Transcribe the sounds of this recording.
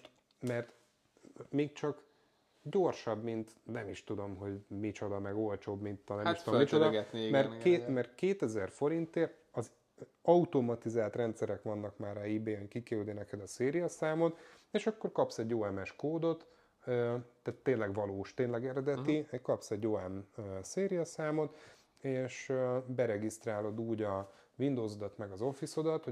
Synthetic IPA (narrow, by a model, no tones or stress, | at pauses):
mɛrt̪ | meːk̚t͡ʃɒk | ɟo̞rʃɒbmint̪nɛmiʃt̪ud̪o̞mɦo̞ɟmit͡ʃo̞d̪ɒmɛɡo̞lt͡ʃoːbmint̪nɛmʃudomit͡ʃod̪ɒɡɛt̪nimɛrkeːmɛrkeːt̪ɛzɛrfo̞ɾint̪eːr | ɒz | ɒut̪omɒt̪izaːlt̪rɛnt̪sɛɾɛkʋɒnːɒkmaːraːiːbeːɛɲkikɛyd̪inɛkɛd̪ɒseːɾijɒsaːmot̪eːʃɒkːo̞rkɒpsɛɟːoːɛmɛʃkoːd̪o̞t̪ | øt̪ːaːt̪ːeːnlɛɡʋɒloːʃt̪eːnlɛɡɛɾɛd̪ɛt̪iɛkɒpsɛɟːoːɛmøseːɾijɒsaːmo̞t̪ | eːʃøbɛɾɛɡist̪raːlo̞d̪uːɟɒ | vind̪oːzo̞d̪ɒt̪mɛɡɒzo̞fiso̞d̪ɒt̪ho